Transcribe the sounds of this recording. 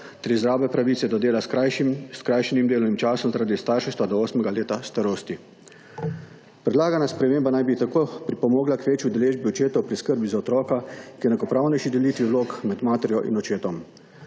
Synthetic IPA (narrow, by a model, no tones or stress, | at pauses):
t̪ɾizɾaːbɛpɾaʋiːt̪sɛd̪ɔd̪eːla | skɾajʃɛnimd̪eːlɔnimt͡ʃaːsɔmzaɾad̪ist̪aːɾʃɛʃt̪ʋad̪ɔoːsmɛɡaleːt̪ast̪aɾoːst̪i | pɾɛd̪laːɡanaspɾɛmeːmbanajbit̪akoːpɾipɔmoːɡlakʋeːt͡ʃjiud̪ɛleːʒbiɔt͡ʃeːt̪ɔwpɾiskəɾbizaɔt̪ɾɔːkakijɛnɛkɔpɾawnɛjʃid̪ɛliːt̪ʋiwloːkmɛd̪maːt̪ɛɾjɔʔḭnɔt͡ʃeːt̪ɔm